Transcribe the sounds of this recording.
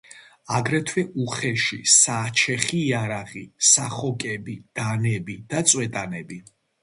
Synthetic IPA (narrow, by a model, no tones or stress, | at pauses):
aɡɾɛt̪ʰwɛʔuχɛʃḭsaːt͡ʃʰɛχiːaɾaʁisaχɔkʼɛbid̪̥anɛbid̪̥at̪sʼwɛt̪ʼanɛbi